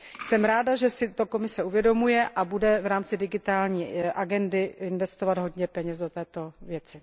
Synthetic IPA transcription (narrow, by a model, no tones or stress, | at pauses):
sɛmɾaːdaʒɛsɪt̪o̞ko̞mɪsɛuvjɛdo̞mujɛʔabudɛvɾaːmt͡sɪdɪɡɪt̪aːlɲiːʔaɡɛndɪɪnvɛst̪ovad̪ɦo̞dɲɛpɛɲɛzdot̪ɛːt̪o̞vjɛt͡sɪ